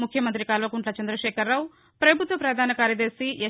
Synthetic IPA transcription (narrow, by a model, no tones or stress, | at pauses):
mukʰjɐmɐnt̪ɾikaːlʋɐkuɳʈlɐt͡ʃɐnd̪ɾɐʃɛːkɐɾːaːw | pɾɐbʱut̪ʋɐpɾɐd̪ʱaːnɐkaːɾjɐd̪ɐɾsiʔe